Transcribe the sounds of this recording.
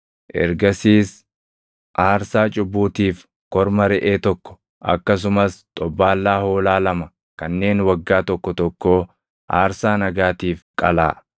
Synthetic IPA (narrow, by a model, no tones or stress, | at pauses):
ʔɛ̰ɾɡɐsiːs | ʔaːɾsaːt͡ʃʼʊbːuːt̪iːf | kɔɾmɐɾɛʔeːt̪ɔkːɔ̥ | ʔɐ̰kːɐs̬ʊmɐst̪ʼɔbːaːlːaːhoːlaːlɐmɐ | kɐnːe̞ːnwɐɡːaːt̪ɔkːɔt̪ɔkːoː | ʔa̰ːɾsaːnɐɡaːt̪iːfkʼɐla̰ː